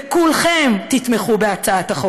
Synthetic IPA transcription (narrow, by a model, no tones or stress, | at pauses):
kulχemt̪it̪meχubeat͡saat̪aχo